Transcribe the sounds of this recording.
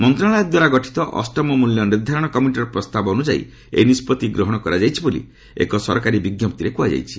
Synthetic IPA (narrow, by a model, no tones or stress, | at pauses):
mɔnt̪ɾaɭ̃ajɔd̪waɾaɡɔʈʰi̥t̪ɔʔɔ̰sʈɔmɔmuljɔniɾd̪ʱaɾɔɽ̃ɔkɔmjunʈ̬iɾɔpɾɔst̪abɔonud͡ʒaḭ | ḛnispɔt̪iɡɾɔɦɔɽ̃ɔkɔɾad͡ʒajt͡ʃʰibolḭ | ḛkɔsɔɾkaɾibiɡjɔp̚t̪iɾekuad͡ʒa̰jt͡ʃʰi̥